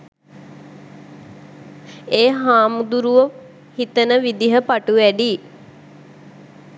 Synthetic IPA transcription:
eːɦaːmud̪uɾuʋə | hit̪ənəʋid̪iɦəpaʈuʋæɖi

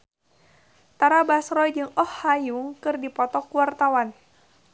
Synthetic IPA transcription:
t̪aɾabasɾɔjd͡ʒɨŋɔhːajuŋkɨrdipɔt̪ɔkuwart̪awan

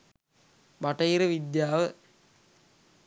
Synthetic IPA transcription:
bɐʈɐiɾəʋid̪jaːʋə

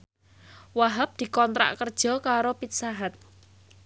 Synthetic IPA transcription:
waɦap̚d̪̥i̤kɔnt̪ɾa̰ʔkərd̥ʒ̥ɔ̤kaɾopit̪̚saɦat̪̚

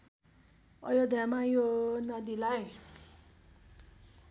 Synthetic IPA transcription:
ʌ̰jod̪ʱjamajonad̪ilaj

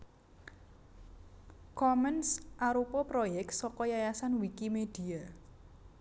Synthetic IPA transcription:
kɔmɛnsʔaɾupɔpɾojɛk̚t̪sɔkɔjajasanwikimed̪̥ia

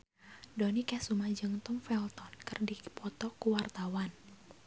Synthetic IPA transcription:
dɔnikɛsumad͡ʒɨŋt̪ɔmfɛlt̪ɔnkɨrdipɔt̪ɔkuwart̪awan

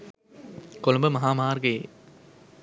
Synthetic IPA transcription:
kolumbəmɐɦaːmaːrɡəjḛː

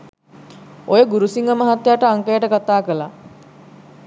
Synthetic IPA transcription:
ojəɡuɾusiŋɡəmaɦat̪ːjaːʈəaŋkəjəʈəkat̪aːkəla

